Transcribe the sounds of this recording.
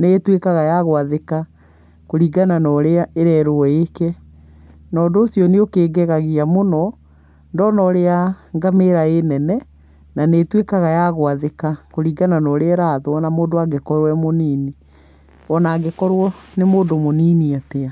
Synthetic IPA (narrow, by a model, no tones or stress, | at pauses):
netwekaɣajaɣoaðeka | koɾiɡananɔɾeaʔeɾɛɾoɔekɛ | nɔːdoːsjɔneokeːɡɛɣaɣiamonɔ | ndɔnɔɾeaŋɡameɾaenɛnɛ | nanetwekaɣajaɣoaðekakoɾiːɡananɔɾeaɾaðoɔnamoːndoaɡekɔɾwɛmoniːni | ɔnaːɡekɔɾwɔnemoːndomoniːniatea